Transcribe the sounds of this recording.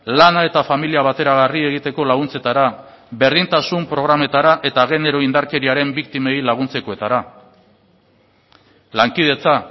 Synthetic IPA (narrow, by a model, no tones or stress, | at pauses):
lanae̞t̪afamiliaβ̞at̪e̞ɾaɣarie̞ɣ̞it̪e̞ko̞laɣunt͡se̞t̪aɾa | βe̞ɾðint̪asumpɾo̞ɣ̞ɾame̞t̪aɾaʔe̞t̪aɣe̞ne̞ɾo̞ind̪aɾke̞ɾiaɾe̞mbikt̪ime̞jlaɣ̞unt͡se̞ko̞e̞t̪aɾa | laŋkið̞e̞t͡sa